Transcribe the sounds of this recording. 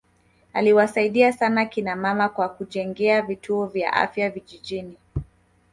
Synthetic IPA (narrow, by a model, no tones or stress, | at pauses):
a̰liwasaiɗiasanakinamamakwakuʄɛŋɡɛavitʰuɔvja̰ʔa̰fjaviʄiʄini